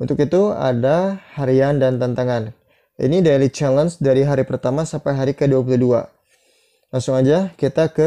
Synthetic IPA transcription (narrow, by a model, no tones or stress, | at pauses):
unt̪ʊkit̪ua̰dahaɾiandant̪ant̪aŋan | ḭnidejlit͡ʃalənsdaɾiɦaɾipərt̪amasampajɦaɾikəduapuludua̰ | laŋsʊŋad͡ʒakit̪akə